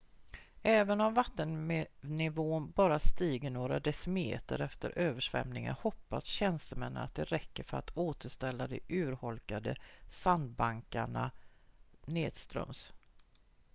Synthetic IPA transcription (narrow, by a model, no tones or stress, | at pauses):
ɛːvənɔmvat̪ːənnɪvoːnbɑːɾast̪iːɡəɳoːɾa̰d̪ɛsɪmḛːt̪ə̰ɾɛft̪ə̰ɾʔøːvəʂvɛ̰mnɪŋə̰nhɔpːasɕɛnst̪əmɛnːə̰na̰t̪̚d̪ɛɾɛkːəɾfœɾa̰t̪ʰoːt̪ʰəʂt̪ɛlːad̪ɛʔʉ̟ːɾhɔlkad̪əsand̪̚baŋkaɳa̰ | neːd̪st̪ɾœ̰ms